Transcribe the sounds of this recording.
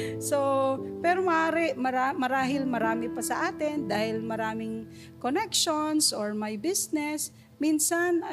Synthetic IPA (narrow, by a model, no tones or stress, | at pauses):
sopɛɾomɐʔaːɾɪʔmɐɾamɐɾaːɦɪlmɐɾaːmɪpɐsɐʔaːt̪ɪnd̪aːhɪlmɐɾaːmɪŋ | konɛkʃonsʔoɹmajbisnɛs | minsanɐ